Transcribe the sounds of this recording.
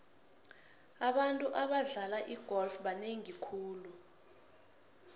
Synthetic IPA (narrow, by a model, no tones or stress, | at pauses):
aɓantʼuʔaɓaɮalaʔiɡ̥ʱɔlfɓaneŋikʰuːlu